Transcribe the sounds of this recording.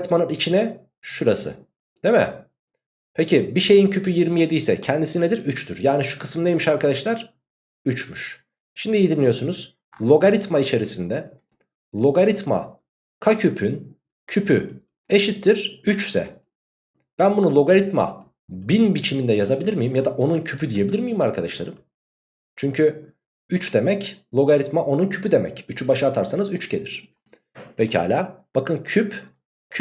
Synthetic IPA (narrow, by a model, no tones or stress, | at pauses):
t̪manɯnit͡ʃʰinɛ | ʃuɾasɯ̰ | d̪̥emɛ̰ | pʰecʰibiʃe̞jincʰypʰyjiɾmije̞d̪ijsɛ̰cʰɛnd̪isinɛd̪iɾyt͡ʃt̪ʰyɾjaːniʃu̥kʰɯ̥sɯmnejmiʃaɾkad̪aʃlˠaɾ̥ | yt͡ʃmyʃ | ʃimd̪ijid̪inʲːijo̞ɾsunuz̥ | lʲˠo̞ɡaɾit̪mait͡ʃʰe̞ɾisind̪ɛ | lʲˠo̞ɡaɾit̪ma̰ | kʰacʰypʰyn | cʰypʰy | e̞ʃit̪ʰːiɾ̥yt͡ʃsɛ̰ | b̥ænbunulˠo̞ɡaɾit̪ma̰ | binbit͡ʃʰimind̪ɛjazabilʲiɾmijimjad̪aʔo̞nuncʰypʰyd̪ije̞bilʲiɾmijimaɾkʰad̪aʃlˠa̰ɾɯm | t͡ʃʰyɲcʰy | yt͡ʃd̪e̞mɛclˠo̞ɡaɾit̪maʔo̞nuncʰy̥pʰyd̪e̞mɛ̰cyt͡ʃʰybaʃaat̪ʰaɾsanɯzyt͡ʃcʰed̪iɾ̝̥ | pʰecʰiha̰ːlʲaːb̥akʰɯncʰypʰ